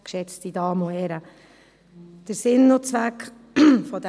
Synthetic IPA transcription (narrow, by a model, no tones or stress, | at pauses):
kʃɛt͡stid̥ɑːmohɛɾə | d̥əɾsɪnːot͡sʋæk | fɔd̥̪